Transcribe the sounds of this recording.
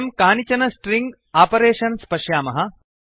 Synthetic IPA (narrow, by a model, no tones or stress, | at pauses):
mkaːnit͡ʃɐnɐsʈɾiŋɡ | aːpɐɾeːʃɐnspɐʃjaːmɐɦɐ